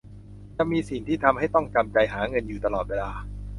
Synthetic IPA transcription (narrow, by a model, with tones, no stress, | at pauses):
t͡ɕa˧˨miː˧si˨˩ŋt̪ʰiː˥˩t̪ʰa˧mha˥˩jt̪ɔ˥˩ŋka˧mt͡ɕa˧jɦaː˩˦ŋɤ˧njuː˨˩t̪a˧lɔː˨˩t̪̚weː˧laː˧